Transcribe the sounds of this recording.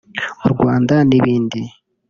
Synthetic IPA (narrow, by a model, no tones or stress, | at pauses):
muɾɡwaːndaniβiːndi